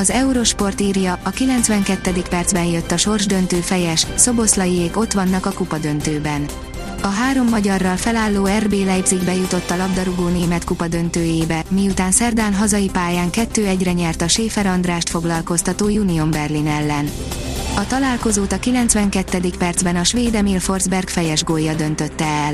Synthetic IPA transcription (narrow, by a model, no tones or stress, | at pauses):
ɒzɛuɾo̞ʃpo̞rt̪iːrjɒʔɒkilɛnt̪sʋɛŋkɛt̪ːɛd̪ikpɛrd̪zbɛnjøt̪ːɒʃo̞rʒd̪ø̞nt̪øːfɛjɛʃso̞bo̞slɒjieːko̞t̪ʋɒnːɒkɒkupɒd̪ø̞nt̪øːbɛn | ɒɦaːɾo̞mːɒɟɒrːɒlfɛlaːlːoːɛrbeːlɛjbziɡbɛjut̪o̞t̪ːɒlɒbd̪ɒɾuɡoːneːmɛt̪kupɒd̪ø̞nt̪øːjeːbɛmiut̪aːnsɛrd̪aːnɦɒzɒjipaːjaːŋkɛt̪ːøːɛɟrɛɲɛrt̪ɒʃeːfɛɾɒnd̪raːʃt̪fo̞ɡlɒlko̞st̪ɒt̪oːjuniombɛrlinɛlːɛn | ɒt̪ɒlaːlko̞zoːt̪ɒkilɛnt̪sʋɛŋkɛt̪ːɛd̪ikpɛrd̪zbɛnɒʃʋeːd̪ɛmilfo̞rzbɛrkfɛjɛʒɡojːɒd̪ø̞n̪t̪ø̞t̪ːɛːl